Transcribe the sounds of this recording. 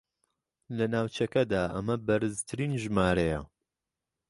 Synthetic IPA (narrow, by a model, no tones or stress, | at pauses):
lɐnaːwt͡ʃɐkɐd̪aːʔɐmɐbɐɾɨzt̪ʰɨɾiːnʒmaːɾɐjɐ̰